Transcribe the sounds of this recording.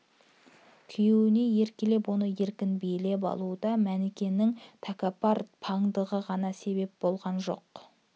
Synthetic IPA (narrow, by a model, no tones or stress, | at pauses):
kʲʰʏjewɪne̞je̞ɾkʲele̞pwo̞nəje̞ɾkʲɪnbejle̞p̬ɑ̰lˠud̪ɑmænekʲe̞nɪŋt̪ʰakapaɾpʰɑŋd̪əʁəʁɑnɑse̞βe̞p̚bo̞lˠʁɑnʒo̞̰q